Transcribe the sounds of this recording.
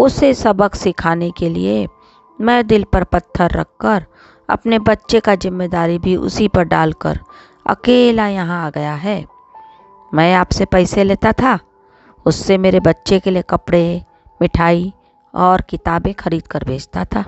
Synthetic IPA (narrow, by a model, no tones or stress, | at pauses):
ʊsesɐbəksɪkʰaːnekelḭe | mɛ̃d̪ɪlpɐɾpɐt̪ʰːəɾːɐ̰kːəɾ | ɐ̰pnebɐtːʃekazɪmːeːd̪aːɾibʱiʔʊ̰sipɐɾɖaːlkə̰ɾ | ɐ̰keːlajɐɦãaːɡɐjaɦɛː | mɛ̃ːaːpsepɛːɪseleːt̪at̪ʰa | ʊsːemeːɾebɐtːʃekeliekɐpɽe | mɪʈʰaːi | ɔːɾkɪt̪aːbẽxɐɾiːd̪kəɾbʱeːd͡ʒt̪at̪ʰaː